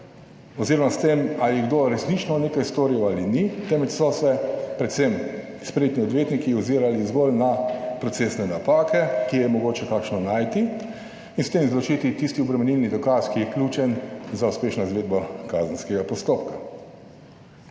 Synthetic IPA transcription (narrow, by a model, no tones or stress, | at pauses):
ɔziːɾɔmast̪emaliɡd̪oɾɛsnit͡ʃnɔneːkajst̪oːɾiwalinit̪ɛmɛt͡ʃsɔsɛpɾɛt̪sem | spɾjet̪niɔd̪ʋjeːt̪nikiuziːɾalizɡolnapɾɔt̪sesnɛnapaːkɛkijɛmɔɡoːt͡ʃɛkaːkʃnɔnaːjt̪i | inst̪emizlɔt͡ʃit̪it̪ist̪iɔbɾɛmɛnilnid̪ɔkaskijɛklʲuːt͡ʃɛnzauspeːʃnaizʋeːd̪bakaːzən̩skɛɡapɔst̪opka